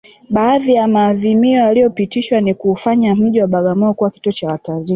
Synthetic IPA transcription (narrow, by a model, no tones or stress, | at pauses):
ɓaːðijamaːðimiɔjaliɔpitiʃwanikuːfaɲam̩ʄiwaɓaɠamɔɔkuwaki̥tuɔt͡ʃawataɾi